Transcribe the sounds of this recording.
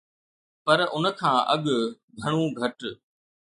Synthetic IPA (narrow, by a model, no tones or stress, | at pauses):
pɐɾʊnə̆kʰãːʔɐɠ | ɡʱɐɽ̃ũːɡʱɐʈ